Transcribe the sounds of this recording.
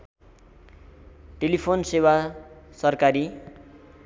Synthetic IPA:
ʈelipʰonsewasʌrkaɾi

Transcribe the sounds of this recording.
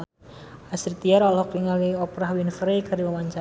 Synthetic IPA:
asirt̪iaɾɔlɔkɾiŋaliɔpɾahwinfɾekaɾimawaɲt͡ʃa

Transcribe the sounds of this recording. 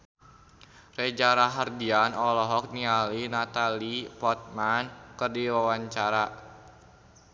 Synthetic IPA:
rɛd͡ʒaɾaɦardianɔlɔɦɔk̚nialinat̪alipɔt̪̚mankɨrdiwawaɲt͡ʃaɾa

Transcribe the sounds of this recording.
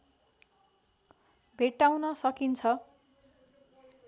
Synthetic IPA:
bʱeʈːawnʌsʌkint͡sʰʌ

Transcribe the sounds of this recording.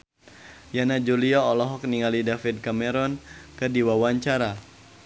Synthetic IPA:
janad͡ʒuliaɔlɔɦɔk̚niŋalidafid̪̚kamɛɾɔnkədiwawaɲt͡ʃaɾa

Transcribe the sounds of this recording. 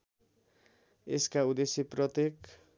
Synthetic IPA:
eskaud̪eseprʌt̪ek

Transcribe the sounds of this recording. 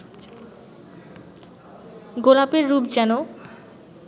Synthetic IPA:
ɡolapeɾːubd͡ʑɛno

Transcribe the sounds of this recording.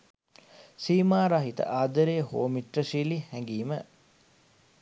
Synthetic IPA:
siːmaːɾaɦit̪ə̰ʔaːd̪əɾeːho̰ːmiʈrəsiːlihæŋɡiːmə

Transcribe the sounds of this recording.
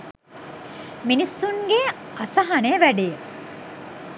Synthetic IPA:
minisːuŋɡeasɐɦɐneʋæɖejə

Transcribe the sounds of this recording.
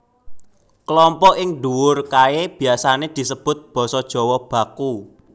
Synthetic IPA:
klɔmpɔʔɪŋɖuwʊrkaeb̥i̤asaned̪̥i̤səb̥ʊ̤t̪̚b̥ɔ̤sɔd̥ʒ̥ɔ̤wɔb̥a̤ku

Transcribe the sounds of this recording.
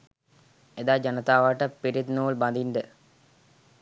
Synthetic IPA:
ed̪aːd͡ʒɐnɐt̪aːʋaʈːəpiɾitd̪noːlbɐnd̪inɖə

